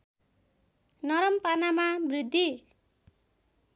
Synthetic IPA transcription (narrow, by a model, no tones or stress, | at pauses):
nʌɾʌmpanamabrid̪ʱːi